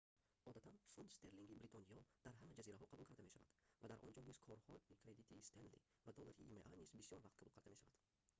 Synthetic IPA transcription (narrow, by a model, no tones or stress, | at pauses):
ɔd̪at̪ʰanfund̪st̪ʰe̞ɾliŋɡʲibɾit̪ʰɔnijɔd̪̥aɾɦamad͡ʒaziɾaɦɔqʰabulkʰaɾd̪ame̞ʃava̰d̪vad̪aɾʔɔ̰nd͡ʒɔniz̥kʰɔɾhɔikʰɾe̞d̪it̪ʰist̪ʰend̪lḭ | vad̪ɔlaɾiḭmeʔanizbisijɔɾvaqt̪qʰabulˠkʰaɾd̪ame̞ʃavad̪̥